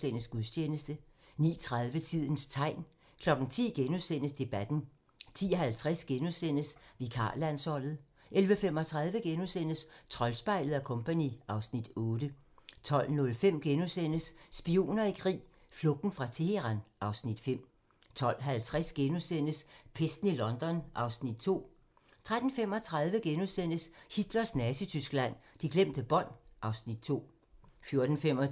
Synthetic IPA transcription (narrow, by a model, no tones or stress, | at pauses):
en̰əsɡ̥uðˠt͡ɕʰeːnəsd̥ə | nḭːt͡sʰʁað̞ˠʋət͡sʰið̞̰ˠn̩st͡sʰɑ̈ɪ̰n | kʰlɒ̽ɡ̥ŋ̩t͡sʰḭːɡ̥enusen̰əsd̥e̝b̥æd̥n̩ | t͡sʰḭːɒɦælt͡sʰʁɛsɡ̥enusen̰əsʋikʰɑ̰̈ːlæn̰sɒ̽l̰ð̞̩ˠ | ʔelʋəfem̰ɒ̽t͡sʰʁɑ̈ð̞ˠʋəɡ̥enusen̰əst͡sʰʁɒ̽lsb̥ɑ̈ɪləð̞̩ˠækʰɔ̽mpʰænḭɑ̈ʊsnid̥ɔ̽ːɾ̥ə | t͡sʰɒ̽l̰nɔ̽lfem̰ɡ̥enosen̰əsːb̥io̝̰ːnɐikʰʁḭː | flɔ̽ɡ̥n̩fʁɑ̈t͡sʰeheʁɑ̈nʔɑ̈ʊsnid̥fem̰ | t͡sʰɒ̽l̰ɦælt͡sʰʁasɡ̥enusen̰əspʰesd̥n̩ilɒ̽nd̥ɒ̽nʔɑ̈ʊsnid̥̚t͡sʰo̝̰ː | t͡sʰʁad̥n̩fem̰ɒ̽t͡sʰʁɑ̈ð̞ˠʋəɡ̥enusen̰əshid̥lɐsnæsit͡sʰysɡ̥əlæn̰d̥iɡ̥lem̰d̥əb̥ɒ̽n̰ʔɑ̈ʊsnid̥̚t͡sʰo̝̰ː | fjo̝ɐd̥n̩fem̰ɒ